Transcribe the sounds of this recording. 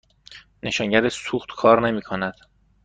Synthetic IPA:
ne̞ʃɒːŋɟæɾesuːxt̪kʰɒːɾne̞miːkʰonæd̪̥

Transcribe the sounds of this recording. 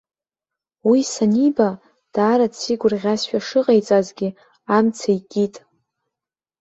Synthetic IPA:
wisaniba | d̥aːɾadsʰiɡʷʊrʁʲasʃᶣaʂɨqʼejt͡sʼazɡʲi | amt͡sʰaikʲʼitʼ

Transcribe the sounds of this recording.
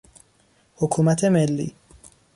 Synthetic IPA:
hokʰuːmæt̪ʰe̞melːḭː

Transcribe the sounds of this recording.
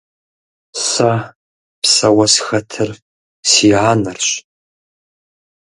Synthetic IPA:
sa | pʰsawasxɐtʰɨr | siʕanɨrɕʷ

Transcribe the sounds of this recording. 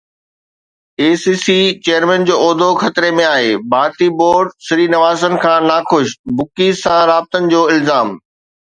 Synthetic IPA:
eːsiːsit͡ɕejəɾmɛ̃ːnd͡ʑoːɔːd̪ʱoxɐt̪ɾemẽaːɦeːbaːɾt̪iboːɾɖsɪɾiːnɐʋaːzənɪ̆kʰãːnaxʊʃbʊkisãɾaːb̚t̪ənɪ̆d͡ʑoːɪlzaːm

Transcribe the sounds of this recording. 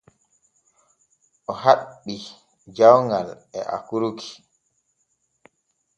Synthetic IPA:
ʔɔhaɓːi | d͡ʒawŋɡalɛ̰ʔa̰kuɾukʰi̥

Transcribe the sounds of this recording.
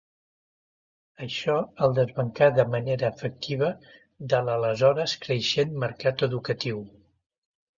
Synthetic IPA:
əʃɔəlˠd̪əzβəŋkaðəməneɾəːfək̚t̪ʰiβ̞ə | d̪ələləzɔɾəskɾəʃenməɾkat̪əðukət̪iw

